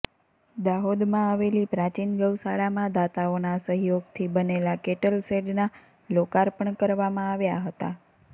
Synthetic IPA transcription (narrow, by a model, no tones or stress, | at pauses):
d̪aɦod̪mãaʋelipɾat͡ʃinɡəʋsaɽamãd̪at̪aonasəɦjoɡt̪ʰibənelakeʈəlseɖna | lokaɾpəɳkəɾʋamãaʋjaɦət̪a